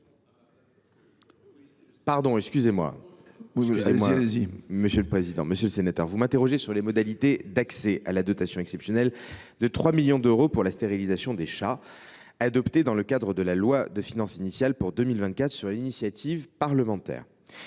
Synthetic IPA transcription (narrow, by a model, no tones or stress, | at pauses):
paʁd̪ɔ̃ɛkskʲyzemwa̰ | yzemwaziməsjøləpχezid̪ɑ̃məsjələsenat̪œ̰ʁvumɛ̃t̪eʁɔʒesyʁlemɔd̪alit̪ed̪aksɛʔalad̪ɔt̪asjɔ̃ɛksɛpsjɔnɛl | d̪ət̪χwamiljɔ̃d̪øʁopuʁlast̪eʁilizasjɔ̃d̪eʃa | ad̪ɔpt̪ed̪ɑ̃ləkad̪ʁəd̪əlalwad̪əfinɑ̃sinisjalpuʁd̪əmilvɛ̃nt̪kat̪χə̥syʁlinisjat̪ʰivpaʁləmɑ̃t̪ɛ̰ːʁ